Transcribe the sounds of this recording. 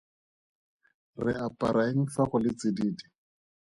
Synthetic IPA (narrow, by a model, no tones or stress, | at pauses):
rɪapʼaɾʔaiŋ̩faχʊlɪt͡sɪdiːdi